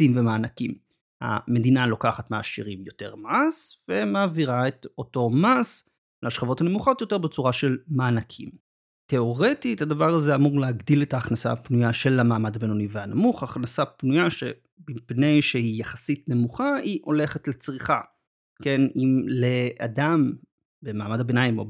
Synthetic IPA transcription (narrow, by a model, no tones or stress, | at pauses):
simve̞maːnakim | ha̰me̞dinalo̞kaχatmaːʃḭʁimjo̞te̞̰ʁmasve̞maːviʁaeto̞to̞mas | laʃχavo̞thane̞muχo̞tjo̞te̞ʁbet͡suʁaʃe̞lmaːnakʰim | teo̞ʁetithadavaʁazeamuʁleaɡdiletaːχnasa̰pnujaʃe̞lamaːmadabenoniveanamuχaχnasapnujaʃe̞ | bimpne̞jʃehijaχḁsitne̞muχaiʔo̞le̞χetlet͡sʁiχa | ke̞nimlea̰dam | be̞maːmadabenajimo̞̰